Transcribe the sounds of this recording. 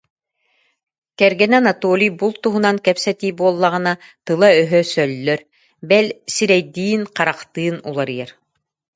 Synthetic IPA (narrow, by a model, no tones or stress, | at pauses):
kɛɾɡɛnɛnat̪ɔlʲijbulˠt̪uɦunaŋkɛpsɛt̪iːbuɔlˠːaʁɯnat̪ɯlˠaœɦœsœlːœɾ | bɛlʲsiɾɛjd̪iːnqaɾaqt̪ɯːnṵlˠaɾijɛɾ